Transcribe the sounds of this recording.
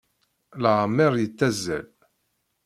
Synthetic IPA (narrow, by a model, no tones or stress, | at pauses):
ləʁmːɪɾˤjət͡sːæzːæ̰l